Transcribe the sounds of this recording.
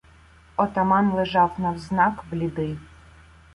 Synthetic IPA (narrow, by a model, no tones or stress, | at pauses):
ɔt̪ɐmɑnlˠɛʒɑwnɐwznɑkblʲid̪ɪ